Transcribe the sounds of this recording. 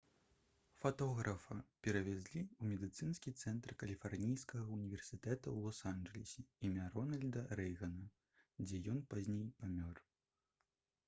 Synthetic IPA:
fat̪ɔɣɾɐfɐpʲɛɾɐvʲɛzʲlʲiumʲɛd̪ɨt̪sɨnskʲit̪sɛnt̪rkɐlʲifarnʲijskɐɣɐunʲivʲɛrsʲit̪ɛt̪ɐwlˠɔsanʐɛlʲɛsʲɛimʲaɾɔnɐlʲd̪ɐɾɛjɣɐnɐ | d͡zʲɛjɔnpazʲnʲejpamʲɔr

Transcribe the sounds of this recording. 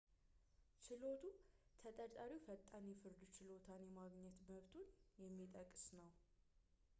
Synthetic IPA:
t͡ʃɪlot̪ʰut̪ʰət̪ʼəɾt̪ʼaɾiwfət̪ʼːanjɛfɨɾd̪ut͡ʃɪlo̞t̪ʰanjɛmaɡɲɛt̪məβt̪ʰunjɛmːit̪ʼəkʼːɨsnəw

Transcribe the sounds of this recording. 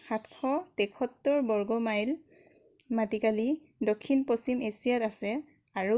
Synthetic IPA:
xatkʰɔtɛkʰɔtːɔɹbɔɹɡɔmajl | matikali | dokʰːinposimesijatasɛ | aɹu

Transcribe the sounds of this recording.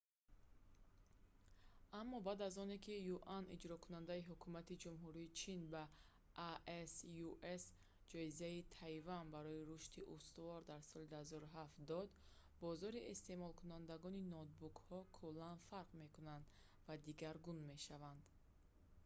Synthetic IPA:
amːɔbad̪azɔne̞kʰijuʔanḭd͡ʒɾɔkʰunand̪aiɦukʰumat̪id͡ʒumɦuɾiːt͡ʃʰinba | ʔʔesjuʔes | d͡ʒɔizait̪ʰajvanbaɾɔiɾuʃt̪iʔust̪uvɔɾd̪aɾsɔlid̪uhazɔɾuɦaft̪d̪ɔd̪ | bɔzɔɾiʔest̪e̞mɔlkʰunand̪aɡɔninɔt̪̚bukhɔkʰulːanfaɾqme̞kunand̪ | vad̪iɡaɾɡunme̞ʃavand̪

